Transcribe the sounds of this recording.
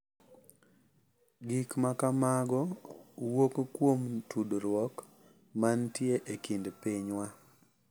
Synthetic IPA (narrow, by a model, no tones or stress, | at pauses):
ɡikmakamaɡɔwokkːwomtudɾwɔk | mantjeʔekindpiɲwa